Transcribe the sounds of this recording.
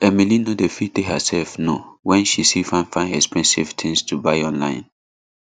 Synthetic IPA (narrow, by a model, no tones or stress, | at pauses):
ɛmilinodefitehə̰sɛlfnowɛ̃nʃisifãnfãɪ̃ndɛkspɛ̃nsḭvtʰĩŋstʰubaɪɔ̃nlã̰ɪ̃n